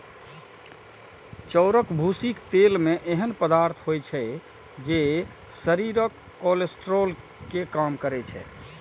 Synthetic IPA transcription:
t͡ʃɔʊɾəkbʱusikt̪elmeʔeɦənpəd̪aɾt̪ʰɦojt͡ʃʰɛ | d͡ʒe | səɾiɾəkːolesʈɾol | kekamkəɾɛt͡ʃʰɛ̰

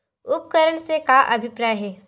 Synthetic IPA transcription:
ʊp̚kəɾəɳsekaʔɐbʱɪpɾaːjɦɛː

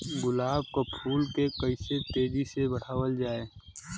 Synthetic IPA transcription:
ɡʊlaːb̚kopʰuːlkekəɪset̪eːɾisebəɽ̤aːwəld͡ʒaːeː

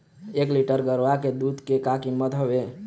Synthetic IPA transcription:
ekliʈəɾɡəɾaked̪ud̪kekakiməd̪ʱɦobe

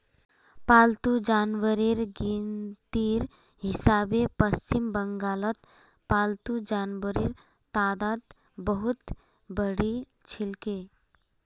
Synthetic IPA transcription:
paːlt̪ud͡ʒaːnʋəɾiɾɡint̪iɾ | ɦɪsaːbepəst͡ʃimbəŋɡaːlət̪ | paːlt̪ud͡ʒaːnʋəɾiɾ | t̪aːd̪aːd̪ | bəɦut̪ | bəɽi | t͡ʃʰilke

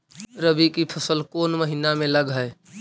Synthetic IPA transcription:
ɾəbikipʰəsəlkoːnməɦinamẽləɡɦəe

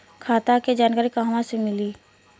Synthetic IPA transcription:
kʰaːt̪aked͡ʒaːnkaːɾikaɦəmãsemɪli

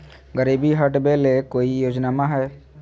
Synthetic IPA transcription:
ɡəɾiːbiɦəʈbelekoːijoːd͡ʒnamãɦɛː

